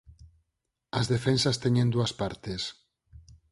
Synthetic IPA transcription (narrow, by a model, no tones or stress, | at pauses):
ɐzðefensast̪eɲẽnd̪uaspaɾt̪es